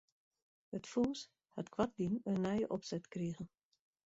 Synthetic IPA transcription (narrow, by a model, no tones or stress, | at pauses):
hətfuns | hatkwat̚dinənːɛjəʔɔpsɛtkriəɣən